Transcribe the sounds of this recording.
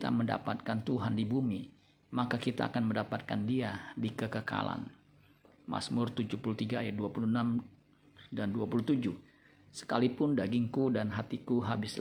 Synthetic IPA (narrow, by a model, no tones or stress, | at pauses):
t̪a̰mənda̰pat̪̚kant̪uɦandibumi | makakit̪a̰ːkanməndapat̪̚ka̰ndiadikəkəka̰la̰n | ma̰smʊrt̪ud͡ʒupuluht̪iɡaːjat̪̚duapuluənam | danduapuluht̪ud͡ʒʊh | sə̥kalipʊndaɡɪŋkudanɦat̪ikuɦabɪs